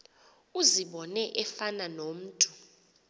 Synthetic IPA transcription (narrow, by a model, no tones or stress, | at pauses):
uziɓɔnɛʔɛfananom̩ːtʼu̥